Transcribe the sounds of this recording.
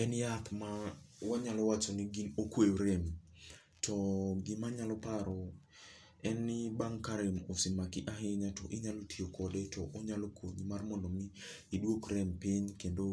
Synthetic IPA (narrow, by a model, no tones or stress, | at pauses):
ɛnjat̪mawaɲalɔwat͡ʃɔniɡinokwejoɾɛm | tʰɔɡɪmaɲalɔpaɾɔ | ɛnɪbaŋkaɾɪmosɪmakɪʔaɦɪɲatɔʔɪɲalotʰiokʰɔdetʰɔʔɔɲalokʰoɲimarmɔndɔmi | idwokrɛmpɪɲkendo